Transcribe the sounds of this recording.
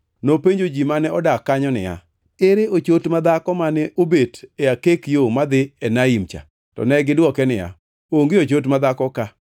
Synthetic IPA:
nopeɲd͡ʒod͡ʒimanɛɔdakːaɲɔnɪ̰ja̰ | ɪɾeot͡ʃotmad̪akɔmanɛʔobeteakekjomad̪ɪɛnaimt͡ʃa̰ | tɔ̰nɛɡɪdwɔkɛnɪja̰ | oŋɡeot͡ʃot̬mad̪akɔka

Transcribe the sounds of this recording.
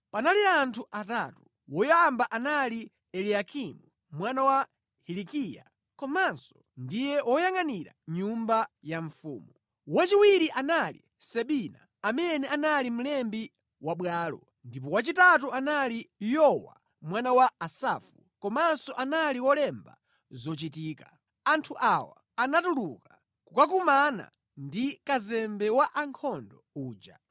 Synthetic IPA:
panaliantʰuʔata̰tu | wɔjambaʔanali | ɛliakʰimu | mwanawa | hilikija̰ | kɔmansɔ̥ndijɛʔɔjaŋaniɾa̰ɲumbajaɱfṵːmu | wat͡ʃiwiɾiʔanalḭ | sɛɓina̰ | amɛnɛanalim̩lɛmbi | waɓwaːlɔ̰ | ndip̬ɔwat͡ʃitatuanalijɔwa̰ | mwanawaːsa̰fu | kɔmaːnsɔʔanaliwɔlɛmba̰ | zɔt͡ʃitiːka | antʰuʔawa̰ | anatuluka | kukak̬umana̰ | ndikazɛmbɛwaʔaŋkʰɔndɔuːd͡ʒa̰

